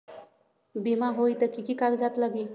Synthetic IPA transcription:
bimaɦojt̪əkikikakd͡zat̪ləɡi

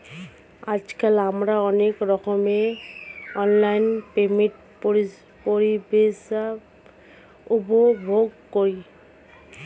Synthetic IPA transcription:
ad͡ʒkalamɾaɔnekɾɔkʰɔme | ɔnlajnpemiʈ | p | poɹibesa | ubɔbʱoɡ̚koɹi

